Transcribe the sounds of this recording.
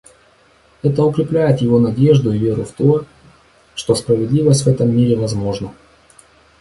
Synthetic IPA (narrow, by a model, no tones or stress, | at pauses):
ɛt̪əʊkɾʲɪplʲæjɪt̪jɪvo̞nɐdʲe̞ʐd̪ʊɪvʲe̞ɾʊft̪o̞ | ʂt̪o̞spɾəvʲɪd̪lʲivəsʲtʲvɛt̪əmːiɾʲɪvɐzmo̞ʐnə